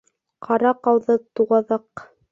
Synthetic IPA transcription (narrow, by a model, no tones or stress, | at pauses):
qʰɑɾɑqɑwðɤt̪uʁɑðɤq